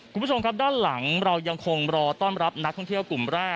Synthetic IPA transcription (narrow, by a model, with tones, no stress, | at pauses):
u˧˥˩o˧mkʰa˦˥daː˥˩nla˩˦ŋɾa˧wja˧ŋkʰo˧ŋɾɔː˧t̪ɔː˥˩nɾa˦˥p̚na˦˥k̚t̪ʰɔ˥˩ŋt̪ʰi˥˩əwklu˨˩mɾaː˥˩k